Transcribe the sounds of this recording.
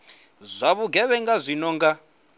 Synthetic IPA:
zʷaβuɡʱɛβɛŋɡazʷinɔŋɡa

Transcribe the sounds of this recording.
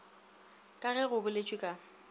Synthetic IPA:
kʼaɣɛɣʊbʊlet͡ʃʼwikʼa

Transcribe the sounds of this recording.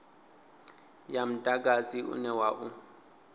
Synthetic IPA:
jam̩tʼak̬ʼaziʔṵnɛwaːʔu

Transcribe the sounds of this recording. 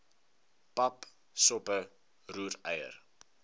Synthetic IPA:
pɐp | sɔpə | ruːɾɛjə̰r

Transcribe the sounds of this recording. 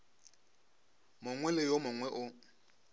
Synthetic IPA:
mʊŋwɛlɪjomʊŋwɛʔʊ

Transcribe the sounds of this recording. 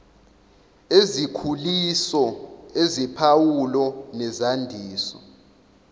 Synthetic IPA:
ezikʰulisɔezipʰawulɔnɛzandʱiːsɔ̰

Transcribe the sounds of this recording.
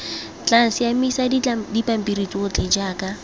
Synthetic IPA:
t͡ɬan̩sɪjamisaddipam̩pirit͡sʼɔʊt͡ɬʰʼed͡ʒaːka

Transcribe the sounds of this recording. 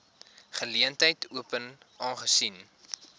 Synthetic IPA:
χəliəntəjtʰuəpən | ʔɑːnχəsin

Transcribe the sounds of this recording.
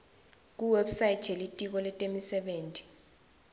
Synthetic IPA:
k̬uwɛɓsaji̥t͡ʃʰelitʼik̬ɔlɛtʼemisɛɓeːntʼi̥

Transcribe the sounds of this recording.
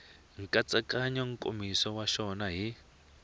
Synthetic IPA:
ŋ̩kʼat͡sʼakʼaɲɔŋkʼo̰misɔwaʃɔnaɦi

